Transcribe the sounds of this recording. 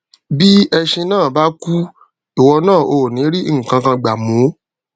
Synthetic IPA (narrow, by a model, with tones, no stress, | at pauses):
bi˦ɛ˧ʃẽ˧nãː˦˨ba˦ku˦ | i˨wɔ˧nãː˦˨ʔo˧˨nĩ˨˦ɾi˦i˦˨ŋ̩˨kã˧kã˧ɡ͡ba˨mũ˨˦